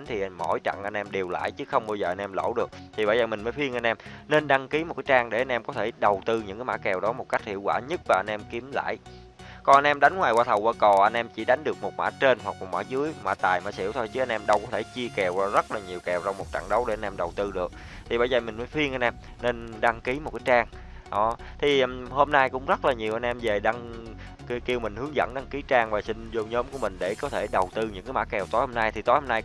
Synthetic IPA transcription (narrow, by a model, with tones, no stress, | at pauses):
ŋt̪ʰi˨˩mo̰˧˩jt͡ɕa̰˧˨ŋʔa˧jnʔɛ˧mɗe˨˩wla̰ː˧˨jt͡ɕɨ˨˦xə˧wŋ͡mɓaː˧wzəː˨˩ʔa˧nʔɛ˧mlo̰˧˥˩wɗɨ˨˩ək̚t̪ʰi˨˩ɓaː˧˩jzəː˨˩mï˨˩ŋ̟məː˨˦jfwi˧əŋʔa˧jnʔɛ˧mne˧nɗa˧ŋki˨˦mo˨˩kaː˨˦t͡ɕaː˧ŋɗe˧˩ʔa˧jnʔɛ˧mkɔ˨˦t̪ʰe˧˩ɗə˨˩wt̪ɨ˧ɲɨ̰˧˥kaː˨˦maː˧˥kɛ˨˩wɗɔ˨˦mo˨˩t̚ka˦˥jk̚hḭ˧˨əwaː˧˩ɲɨ˦˥t̚vaː˨˩ʔa˧jnʔɛ˧mki˨˦əmla̰ː˧˨j | kɔ˨˩nʔa˧nʔɛ˧mɗa˨˦jŋ̟ŋwaː˨˩jkwaː˧t̪ʰə˨˩wʔaː˧˩ko˨˩ʔa˧jnʔɛ˧mt͡ɕi˧˩ɗa˨˦jŋ̟ɗɨ˨˩ək̚mo˨˩t̚ma̰ː˧˥t͡ɕe˧nɦwa˨˩k̚mo˨˩t̚ma̰ː˧˥zɨ˨˦əjma̰ː˧˥t̪aː˨˩jma̰ː˧˥sḭ˧˥əwt̪ʰo˧jt͡ɕi˨˦˥a˧jnʔɛ˧mɗə˧wkɔ˨˦t̪ʰe˧˩t͡ɕi˧əkɛ˨˩wzə˦˥t̚laː˨˩ɲi˨˩əwkɛ˨˩wt͡ɕɔ˧wŋ͡mmo˨˩t̚t͡ɕa̰ː˧˩ŋɗə˨˦wɗe˧˩ʔa˧nʔɛ˧mɗə˨˩wt̪ɨ˧ɗɨ˨˩ək̚ | t̪ʰi˨˩ɓaː˧˩zəː˨˩mï˨˩məː˨˦jfi˧ənʔa˧nʔɛ˧m | ne˧nɗa˧ŋki˨˦mo˨˩t̚kaː˨˦jt͡ɕaː˧ŋ | ɗɔ˨˦ | t̪ʰi˨˩˨ho˧mnaː˧jkʊ̰˧˥ŋ͡mzə˦˥t̚laː˨˩ɲi˨˩əwʔa˧jnʔɛ˧mze˨˩ɗa˧ŋ | kki˧əwmï˨˩ŋ̟hɨ˨˦əŋzə̰˧˥nɗa˧ŋki˨˦t͡ɕaː˧ŋvaː˨˩sï˧ŋ̟zo˧ɲɔː˨˦mku˧˩əmï˨˩ŋ̟ɗe˧˩kɔ˨˦t̪ʰe˧˩ɗə˨˩wt̪ɨ˧ɲɨ̰˧˥ŋkaː˨˦jma̰ː˧˥kɛ˨˩wt̪o˨˦jho˧mna˧jt̪ʰi˨˩t̪o˨˦jho˧mna˧j